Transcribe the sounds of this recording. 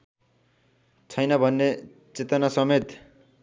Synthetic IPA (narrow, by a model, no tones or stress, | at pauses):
t͡sʰʌjnʌbʱʌnːe | t͡set̪ʌnasʌmet̪